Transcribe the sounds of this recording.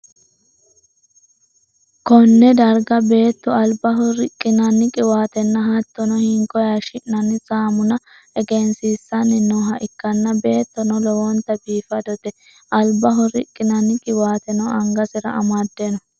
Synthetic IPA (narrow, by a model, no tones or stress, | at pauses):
kɔnːɛd̪ɐɾɡɐbe̞ːt̪ːɔɐlbɐɦɔɾɪkʼːɪnɐnːɪkʼɪwaːt̪ɛnːɐɦɐt̪ːɔnɔhɪŋkɔjaʃɪʔnɐnːɪsaːmʊnɐ | ɛɡɛnsiːsːɐnːɪnɔɦɐʔɪkːɐnːɐbe̞ːt̪ːɔnɔlɔwɔnt̪ɐbiːfɐd̪ɔt̪ɛ | ʔɐlbɐɦɔɾɪkʼːɪnɐnːɪkʼɪwaːt̪ɛnɔɐŋɡɐsɪɾɐ̰ɐmɐd̪ːenɔ